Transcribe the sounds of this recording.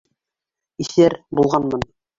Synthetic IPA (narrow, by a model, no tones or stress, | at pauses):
isæɾbulˠʁɑnmɤn